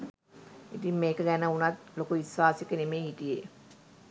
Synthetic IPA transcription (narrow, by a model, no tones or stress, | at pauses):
itimːeːkəɡænəunɐt̪lokuʋisʋaːsekənemeːiʈije